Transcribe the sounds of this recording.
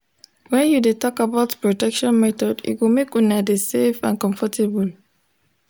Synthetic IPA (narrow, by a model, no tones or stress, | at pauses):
wɛ̃njudetɔkabaʊtpɹɔtɛkʃɔ̃nmɛtɔdḭtwimekũnadesefã̰nkɔ̃ɱfɔtʰebul